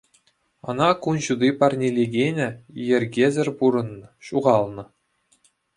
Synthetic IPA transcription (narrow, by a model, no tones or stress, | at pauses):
ɤ̆nɑkunɕud̪ipɑrnʲelʲeɡʲenʲɘ̆jɘ̆rʲɡʲezʲɘ̆rʲpuɾɤ̆nːɤ̆ɕuʁɑlˠnɤ̆